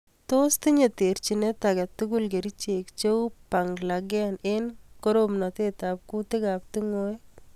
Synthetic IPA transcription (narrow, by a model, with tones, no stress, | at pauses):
t̪o˦st̪i˦ɲe˨t̪e˨ɾt͡ʃinet̪aɡɛ˨t̪ːuɡulɡe˨ɾit͡ʃe˨kt͡ʃe˦wpa˨ŋɡlaɡanenko˦ɾomna˨t̪e˦t̪ap̚ku˦t̪ɪ˦ɡap̚t̪u˦ŋo˦j